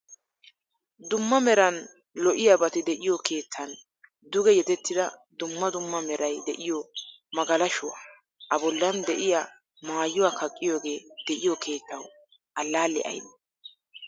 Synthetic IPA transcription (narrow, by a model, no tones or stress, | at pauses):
d̪ʊmːɐmɛɾɐn | lɔʔɪjabɐt̪ɪd̪ɛʔɪjɔkʰe̞ːt̪ʰːɐn | d̪ʊɡɛjɛt̪ɛt̪ːɪd̪ɐd̪ʊmːɐd̪ʊmːɐmɛɾɐjd̪ɛʔɪjɔ | mɐɡɐlɐʃʊwa̰ː | ʔɐbɔlːɐnd̪ɛʔɪja | maːjːʊwaːkʰɐkʼːɪjo̞ːɡe̞ːd̪̥ɛʔɪjɔkʰe̞ːt̪ːɐw | ʔɐlːaːlːɪ̰ʔɐ̰jnɐ